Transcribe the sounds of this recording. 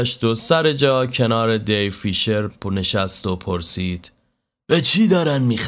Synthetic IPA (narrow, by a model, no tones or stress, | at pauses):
ʃt̪osæɾe̞d͡ʒɒːcʰe̞nɒːɾe̞d̪ejfiːʃe̞ɾne̞ʃæst̪opʰoɾsiːd̪̥ | bæt͡ʃʰiːd̪ɒːɾænmiːx